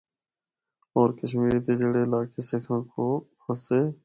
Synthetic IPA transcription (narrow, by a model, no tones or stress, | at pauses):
ɔːɾkəʃmiːɾit̪eːd͡ʒəɽeːlaːkeːsekʰãːkoːpəseː